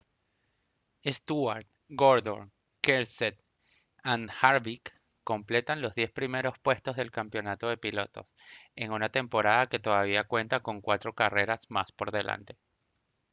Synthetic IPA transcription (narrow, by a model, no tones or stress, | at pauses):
est̪uaɾt̪̚ | ɡoɾðo̰ŋ | keɾset̪ | anxaɾβikː | o̞mple̞t̪anlo̞zðje̞spɾime̞ɾo̞spwe̞st̪o̞zðe̞lkampjo̞nat̪o̞ðe̞pilo̞t̪o̞̰se̞ŋunat̪e̞mpo̞ɾaðake̞t̪o̞ðaβ̞iakwe̞nt̪ako̞ŋkwat̪ɾo̞kare̞ɾasmaspo̞ɾðe̞lʔa̰nt̪e̞̥